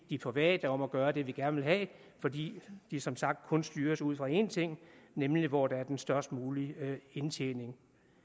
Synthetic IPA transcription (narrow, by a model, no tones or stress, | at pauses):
d̥ipʰʁɛʋɛ̰ːd̥ɐɒ̽mæɡ̥ɶːɐd̥e̝ʋiɡ̥æɐnʋe̝lɦɛ̰ː | fɒ̽d̥ḭːd̥isɒ̽msɑ̈ɡ̥̚d̥̚kʰɔ̽nsd̥yːɐsuð̞̰ˠfʁɑ̈e̝ːnt͡sʰe̝ŋ̰nemliʋɒd̥ɑ̈æɐd̥ensd̥ɶɐsd̥muːlie̝nt͡sʰḛːne̝ŋ